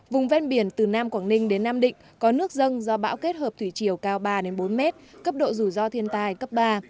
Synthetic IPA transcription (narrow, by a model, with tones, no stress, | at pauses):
vʊ˨˩ŋ͡mvɛ˧nɓi˧˩ənt̪ɨ˨˩naː˧mkwaː˧˩ŋnï˧ŋ̟ɗe˨˦nːaː˧mɗḭ̈˧˨ŋ̟kɔ˨˦nɨ˦˥ək̚zə˧nzɔ˧ɓa̰ː˧˥wke˦˥t̚həː˨˩p̚t̪ʰwi˧˩t͡ɕi˧˩əwkaː˧wɓaː˧ɗe˨˦nɓo˨˦nmɛ˦˥t̚kə˦˥p̚ɗo̰˧˨zu˧˩zɔ˧t̪ʰi˧ənt̪aː˧˩jkə˦˥p̚ɓaː˧